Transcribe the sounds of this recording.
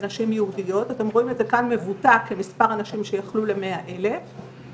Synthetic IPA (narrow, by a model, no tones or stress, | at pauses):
naʃimjehudijo̞tate̞mʁo̞imezekanme̞vutakːemispaʁanaʃimʃejaχlule̞me̞aʔe̞le̞